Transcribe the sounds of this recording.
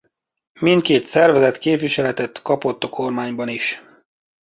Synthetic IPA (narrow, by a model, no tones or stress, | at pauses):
mint̪̚keːt̪sɛrvɛzɛt̪keːpʋiʃɛlɛt̪ɛt̪kɒpo̞t̪ːɒkʰo̞rmaːɲbɒniʃ